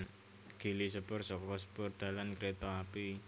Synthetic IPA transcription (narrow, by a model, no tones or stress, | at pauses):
ɡ̥ilisəpʊrsɔkɔsə̥pʊrd̪̥a̤lankɾet̪ɔapi